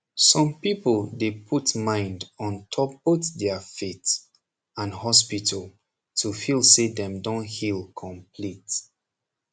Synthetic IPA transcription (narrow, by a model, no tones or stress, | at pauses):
sɔ̃mpipəldepʰutmãɪ̃ndɔ̃ntʰɔp̚b̥oθdɛəfet | ãnhɔspitʰəlˠ | tʰufilsedɛ̃mdõnhilkʰɔ̃mpʰlit